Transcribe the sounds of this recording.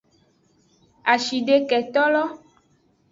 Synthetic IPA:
a˨ʃi˨ɖe˨kɛ˨t̪ɔ˦lɔ˦

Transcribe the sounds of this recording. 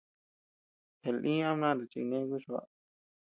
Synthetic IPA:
he˨lʔĩ˦ã˦mã˦˨ɾe˨t͡ʃḭ˧nẽ˦ku˦ʃu˧a̰˦

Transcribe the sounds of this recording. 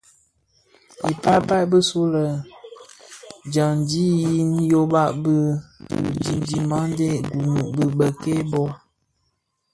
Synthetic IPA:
i˨pa˦pa˦bə˦su˦lə˨ | d͡ʒa˨ŋ˨d͡ʒi˦ji˦n˦jo˦ba˦ʔbə˦˨ | d͡ʒi˦d͡ʒi˨ma˦de˦ɡu˨nu˨bə˨bə˨ke˦bɔ˦

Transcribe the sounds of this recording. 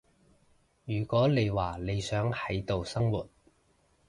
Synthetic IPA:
jyː˨˩kʷɔː˨˥ne˨˧jwaː˨˩ne˨˧jsœː˨˥ŋhɐ˨˥jt̪o˨wsɐ˥ŋwṵː˨˩t̚

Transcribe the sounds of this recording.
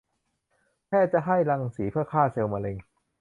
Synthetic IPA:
p̪ʰɛː˥˩t͡ɕa˨ʔɦa˥˩jla˧ŋsiː˩˦pʰɯ˥˩ɐkʰaː˥˩se˧wmaː˧le˧ŋ

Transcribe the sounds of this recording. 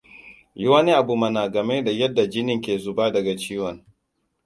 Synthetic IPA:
jʊ˦wa˦ni˦ʔa˨bu˨mɐ˨naː˨ɡɐ˨mɛ˦da˨jɐ˦dːa˨d͡ʒɪ˦nɪ˨ŋkʲeː˨zʊ˨baː˦dɐ˨ɡa˨t͡ʃiː˦wɐ˨ŋ

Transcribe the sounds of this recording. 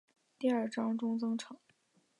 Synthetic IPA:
t̪i˥˧ə˞˥˩ʈ͡ʂɑ˥ŋʈ͡ʂʊ˥ŋt͡sɤ˥ŋʈ͡ʂʰɤ˨˩˦

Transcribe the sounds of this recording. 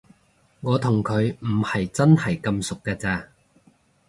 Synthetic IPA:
ŋɔː˨˧t̪ʰʊ˨˩ŋkʰɵ˨˧ɥm̩˨˩hɐ˨jt͡sɐ˥nhɐ˨jkɐ˧msʊ˨k̚ːɛː˧t͡sɛː˧

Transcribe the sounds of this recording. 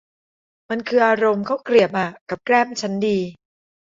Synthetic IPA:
ma˧nkʰɯː˧ʔaː˧ɾo˧mkʰa˦˥wkɾi˨˩əp̚ʔa˨˩ka˨˩p̚kɾaː˥˩mt͡ɕʰa˦˥ndiː˧

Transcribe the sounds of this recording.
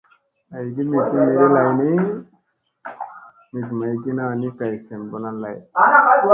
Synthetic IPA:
a˨jɡi˦mi˨ɡi˦me˨˦i˦la˨jni˦ | mi˨ɡma˨ji˨ɡi˦na˨ni˦ka˨jse˨mbo˦na˦la˨j

